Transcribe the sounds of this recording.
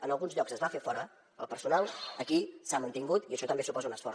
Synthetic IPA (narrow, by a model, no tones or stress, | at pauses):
ənəlˠɣunzʎɔksəzβafefɔɾə | əlˠpəɾsunalˠəkisamənt̪iŋɡut̪iəʃɔt̪əmbesupɔzəunəsfɔɾ